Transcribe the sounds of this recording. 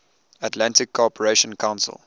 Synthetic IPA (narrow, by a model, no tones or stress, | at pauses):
ətlãntɪkʰːɔpəɹeʃə̃nkʰãʊ̃nsə̰lˠ